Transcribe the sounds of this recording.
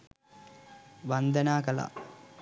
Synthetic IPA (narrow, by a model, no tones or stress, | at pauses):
ʋand̪ənaːkəla̰